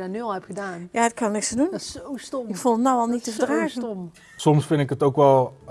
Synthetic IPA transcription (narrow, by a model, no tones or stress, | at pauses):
danylˠɛpχədaːnjaːət̚kɑnnɪkstədunowstomɪkfulˠətnɔwɑlˠnittəədraːχənm | sɔmsfɪndɪkətowkʋɛlˠ